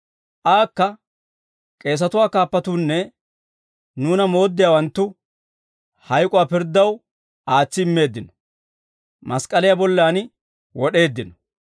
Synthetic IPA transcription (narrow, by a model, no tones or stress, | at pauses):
ʔaːkːɐ | kʼe̞ːs̬ɐt̪ʊwaːkaːpːɐt̪uːnːɛ | nuːnɐmo̞ːd̪ːɪjaːwɐnt̪ːʊ | hɐjkʼʊwaːpɪɾd̪ːɐw | aːt͡sːɪɪmːe̞ːd̪ːɪnɔ̥ | mɐskʼɐlɪjabɔlːaːn | wɔɗe̞ːd̪ːɪnɔ